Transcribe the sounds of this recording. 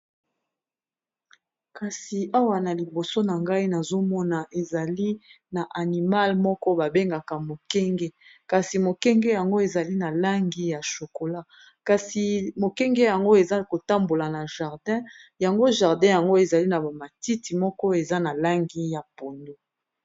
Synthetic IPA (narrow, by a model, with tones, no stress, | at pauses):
ka˨si˨a˦wa˨na˨li˨bo˨so˦na˨ŋɡa˦i˦na˨zo˦mɔ˦na˨ʔe˨za˨li˦ | na˨ʔa˨ni˨ma˦lmɔ˦kɔ˦ba˨be˦ŋɡa˨ka˨mo˨kɛ˦ŋɡɛ˦ka˨si˨mo˨kɛ˦ŋɡɛ˦ja˨ŋɡo˦e˨za˨li˦na˨la˦ŋɡi˦ja˨ʃo˨ko˨la˦ | ka˨si˨mo˨kɛ˦ŋɡɛ˦ja˨ŋɡo˦e˨za˦ko˨ta˦mbo˨la˨na˨ʒa˨ʁdɛ̃˦ja˨ŋɡo˦ʒa˨ʁdɛ̃˦ja˨ŋɡo˦e˨za˨li˦na˨ba˨ma˨ti˦ti˨mɔ˦kɔ˦e˨za˦na˨la˦ŋɡi˦ja˨po˨ndo˦